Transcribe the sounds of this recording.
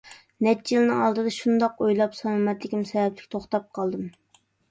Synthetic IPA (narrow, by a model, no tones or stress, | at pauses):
nɛt͡ʃːjilˠɨnɨŋɑlˠd̪ɨd̪ɑʃund̪ɑqojlˠɑpsɑmɑmɛt̪lɪkʲimsɑjɑt̪lɪ̥kʲt̪ʰoχt̪ɑp̚qʰɑlˠd̪ɨm